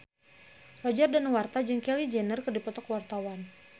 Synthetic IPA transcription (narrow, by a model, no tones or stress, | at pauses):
rɔd͡ʒardanwart̪ad͡ʒɨŋkɛlid͡ʒɛnərkɨrdipɔt̪ɔkwart̪awan